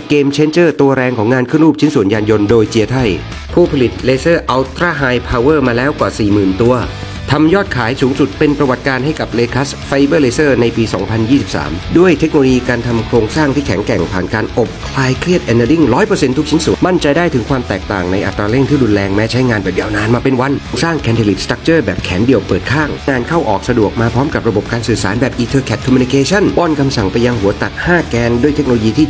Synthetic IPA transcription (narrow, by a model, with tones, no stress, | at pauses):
keː˧mt͡ɕʰe˦˥nt͡ɕɤː˥˩t̪u˧ɐɾɛː˧ŋkʰɔː˩˦ŋːaː˧nkʰɯ˥˩ənɾuː˥˩t͡ɕʰi˦˥nsu˨˩ənjaː˧njo˧ndoː˧jt͡ɕi˧ət̪ʰa˥˩j | pʰuː˥˩pʰa˧li˨˩t̪̚leː˧sɤː˥˩ʔa˧wt̪ɾaː˥˩ɦaː˧jpʰaː˧wɤː˥˩maː˧lɛː˦˥wkwaː˨˩siː˨˩mɯː˨˩nt̪u˧ɐ | t̪ʰa˧mjɔː˥˩t̪̚kʰaː˩˦jsuː˩˦ŋsu˨˩t̪̚pe˧npɾa˧wa˨˩t̪̚kaː˧nɦa˥˩jka˨˩p̚leː˧kʰa˦˥sfa˧jbɤː˥˩leː˧sɤː˥˩na˧jpiː˧sɔ̰ː˩˦ŋpʰa˧njiː˥˩si˨˩p̚sa̰ː˩˦mdu˥˩əjt̪ʰe˦˥k̚no˧lo˧jiː˧kaː˧nt̪ʰa˧mkʰɾoː˧ŋsaː˥˩ŋt̪ʰiː˥˩kʰɛ˨˩˦ŋkɛ˨˩ŋpʰaː˨˩nkaː˧nʔo˨˩p̚kʰlaː˧jkʰli˥˩ət̪̚ʔɛ˧ndaː˧li˥˩ŋɾɔː˦˥jpɤː˧se˧nt̪ʰu˥kt͡ɕʰi˦˥nsu˨˩˦nma˥˩nt͡ɕa˧jdaː˥˩jt̪ʰɯ˩˦ŋkʰwaː˧mt̪ɛː˨˩k̚t̪a̰ː˨˩ŋna˧jʔa˧t̪ːɾaː˧le˥˩ŋt̪ʰiː˥˩ɾuː˧nlɛː˧ŋmɛː˦˥t͡ɕʰa˦˥jŋaː˧nbɛː˨˩p̚jaː˧wnaː˧nmaː˧pe˧nwa˧n˧saː˥˩ŋkʰɛː˧nt̪ʰe˧li˨˩st̪a˦˥k̚t͡ɕɤː˥˩bɛː˨˩p̚kʰɛː˩˦ndi˧əwpɤː˨˩t̪̚kʰaː˥˩ŋŋaː˧nkʰa˥˩wʔɔː˨˩k̚sa˧du˨˩ək̚maː˧pʰɾɔː˦˥mka˨˩p̚ɾa˧bo˨˩p̚kaː˧nsɯː˨˩saː˩˦nbɛː˨˩p̚ʔiː˧t̪ʰɤː˧kʰɛ˨˩t̪̚kʰɔ˧mu˧ni˧kʰeː˧t͡ɕʰa˥˩nbɔː˧˥˩nkʰa˧msa˨˩ŋpa˧jːa˧ŋhu˩˦ɐt̪a˨˩t̪̚haː˥˩kɛː˧ndu˥˩jt̪ʰe˦˥k̚o˧lo˧jiː˧t̪ʰiː˥˩